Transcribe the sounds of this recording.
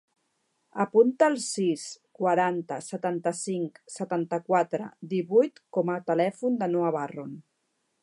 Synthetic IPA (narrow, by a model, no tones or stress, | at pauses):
əpunt̪əːlˠsiskwaɾant̪əsət̪ant̪əsiŋksət̪ant̪əkwat̪ɾə̰d̪iβujt̪kɔmət̪əlɛfund̪ənuaβaron